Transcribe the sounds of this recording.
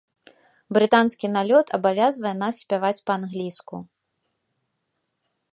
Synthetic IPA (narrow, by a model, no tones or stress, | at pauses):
bɾɨt̪anskʲinalʲɔt̪ʰɐbavʲazvɐjɛnassʲpʲavat͡sʲpɐːnɣlʲiskṵ